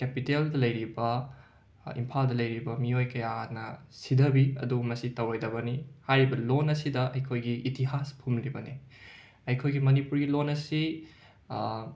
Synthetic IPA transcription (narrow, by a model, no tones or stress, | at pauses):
kepiteldɐlɐjɾibɐ | ḭmpʰaldɐlɐjɾibɐmiojkɐjanɐsidʱɐbiɐ̰dumɐsitɐwɾajdɐbɐnihajɾibɐlonɐsidɐʔɐjkʰojɡiʔːtiɦaspʰumlibɐni | ɐjkʰojɡimɐnipuɾɡilonɐsi